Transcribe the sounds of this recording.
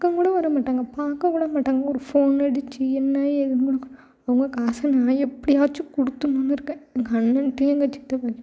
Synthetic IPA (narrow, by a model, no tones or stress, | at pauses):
kɐŋkuːɽɐʋɐɾɐmaːʈːaːŋɡɐpaːɾkɐ̃ŋkuːɽɐmaːʈːaːŋɡɐɔɾɯfoːnɛɽɯt͡ʃːiɛnːaːjɛðɐnɡɔɽɯkː | ɐʋɐŋɡɐkaːsɐnaːɛpːɐɽiaːt͡ʃːɯkɔɽɯt̪ːɯnːunːɯɪɾɯkːɛ̃ɐŋɡɐɐnːɐnʈːiɐŋɡɐt͡ʃːɪt̪ːɐpaː